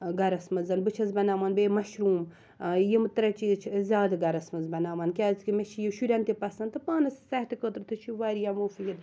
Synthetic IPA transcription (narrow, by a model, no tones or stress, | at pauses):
ɡɐɾɐsmɐzɐnbɨt͡ʃʰɐzbɐnaːmɐːnbeːmɐʃɾuːm | jemɨt̪ɨɾɐt͡ʃit͡ʃʰzʲaːd̪ɡɐɾɐsmɐzbɐnaːmɐnkʲaːzkimeʃijiʃuɾʲɐnt̪epɐsɐnt̪ɨpaːnɐssɐht̪ikət̪ɾt̪ʰɨt͡ʃʰiʋaːɾijamoːfijid̪